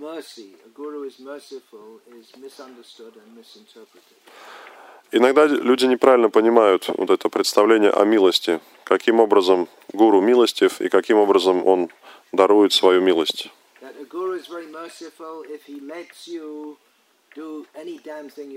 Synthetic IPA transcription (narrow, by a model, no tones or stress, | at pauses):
mɜ˞siəɡuɹuɪzmɜ˞sɨfl̩ˠɪzmɪsʌ̃ndə˞stʊɾɨ̃nmɪsntʰɜ˞pɹɨɾɪd̥ | ɪnɐɡd̪alʲʉdʲɪnʲɪpɾavʲɪlʲnəpənʲɪmajʊt̪vo̰t̪ɛt̪əpɾʲɪt̪st̪ɐvlʲenʲɪjə̰ʔɐ̰mʲilˠəsʲtʲɪ | kɐkʲimo̞bɾəzəm | ɡuɾʊmʲilˠəsʲtʲɪfḭkɐkʲimo̞bɾəzəmo̞n | d̪ɐɾujɪt̪svɐjumʲilˠəsʲtʲ | ðɨɾɨɡuɹuɨzvɛɹimɜ˞sɨfl̩ˠɪfhilɛksju | d̥əɛnidæ̃mθɪ̃ŋ